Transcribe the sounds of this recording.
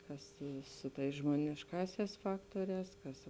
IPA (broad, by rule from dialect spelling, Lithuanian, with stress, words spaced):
ˈkɐs ˈsʊ ˌtɐɪs ʒmoːnʲɪʃˈkɑːsʲæːs ˈfɑːktuɔrʲɛːs ˈkɐs